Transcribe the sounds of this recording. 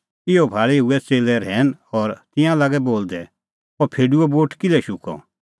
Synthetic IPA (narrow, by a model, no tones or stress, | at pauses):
ɪɔbʱaːɭɛɦuɛt͡seːlɛɾɦɛːnɔɾt̪ɪ̃jãlaɡɛboːld̪ɛ | pɔpʰeːɖuɔboːʈkɪlɛʃʊkɔ̰